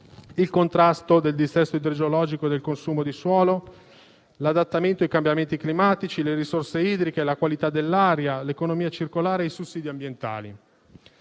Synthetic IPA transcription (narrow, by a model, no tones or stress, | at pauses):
ilkont̪ɾast̪od̪eld̪isɛst̪oid̪ɾod͡ʒolɔːd͡ʒikod̪elkonsuːmod̪iswɔːlo | lad̪at̪ːament̪oaijkambjament̪iklimaːt̪it͡ʃileɾisorseiːd̪ɾikelakwalit̪ad̪elːaːɾjalekonomiːat͡ʃirkolaːɾeːsusːiːd̪iambjent̪a̰ːlḭ